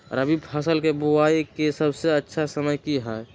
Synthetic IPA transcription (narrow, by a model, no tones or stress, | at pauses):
ɾəbʱibpʰəsəlkebuaikesəbseətːʃʰasəməjkiɦɛj